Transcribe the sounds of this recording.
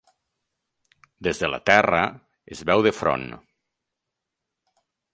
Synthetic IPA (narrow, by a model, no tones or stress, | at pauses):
d̪ezðəla̰t̪ɛrə̰ | ezβɛwðefɾo̰n